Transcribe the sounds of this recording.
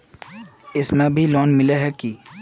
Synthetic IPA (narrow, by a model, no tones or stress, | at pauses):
ɪsmẽbʱilɔːnmɪleɦɛki